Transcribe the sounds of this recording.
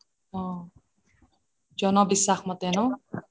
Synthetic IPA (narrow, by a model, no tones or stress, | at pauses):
ɔ̃ | d͡ʒɔnɔbisːaxmɔt̪ɛnɔ